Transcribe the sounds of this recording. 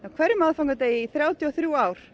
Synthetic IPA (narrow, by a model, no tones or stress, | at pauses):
awkʰv̥ɛɾʏmaðfaŋkat̪eːjɪiθɾjaːwt̪ʰjiɔθɾjuːaːwɾ̥